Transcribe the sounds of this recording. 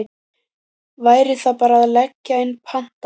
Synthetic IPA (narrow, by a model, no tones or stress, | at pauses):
vaːjɾɪθapaːɾaːðlɛcːaejnpʰan̥t̪